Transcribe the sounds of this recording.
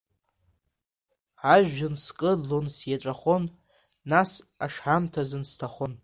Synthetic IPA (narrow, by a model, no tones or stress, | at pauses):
ʕaʒɨnskʼɨlonsjaʈ͡ʂʷʼaχo̞nː | asaʂħamtʰazɨnstʰaχon